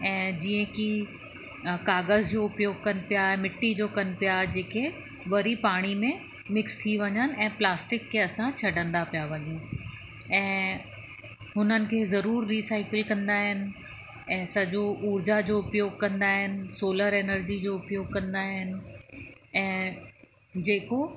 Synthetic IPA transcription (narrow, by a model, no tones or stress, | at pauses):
ɛ̃ːd͡ʑiːə̃ki | kaːɡəzd͡ʑoːʊpjoːɡ̚kɐnɪ̆pijaɛmɪʈːid͡ʑoːkɐnɪ̆pijad͡ʑeːkʰe | ʋɐɾipaːɽ̃imẽ | mɪkst̪ʰiʋɐɲənɪ̆ɛ̃ːplaːsʈɪkʰːeɐsãt͡ɕʰɐɖʱə̃nd̪apijaʋɐɲũː | ɛ̃ː | ɦʊnənɪ̆kʰeːzɐɾuːɾːiːsaːɪkɪlkɐ̃nd̪aːɦɪnɪ̆ | ɛ̃ːsɐd͡ʑoʔuːɾd͡ʑad͡ʑoːʊpjoːɡ̚kɐ̃nd̪aɦɪnɪ̆soːləɾeːnəɾd͡ʑid͡ʑoːʊpjoːɡ̚kɐ̃nd̪aːɦɪnɪ̆ | ɛ̃ː | d͡ʑeːko